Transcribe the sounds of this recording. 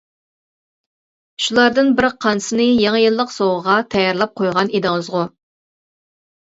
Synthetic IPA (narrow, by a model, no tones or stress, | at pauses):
ʃulˠɑɾd̪ɨnbɪɾqʰɑnsɨnɨjɑŋəjɨlˠːəqsowʁəʁɑt̪ʰɑjɑɾlˠɑp̚qʰojʁɑnid̪ɨŋɨzʁʊ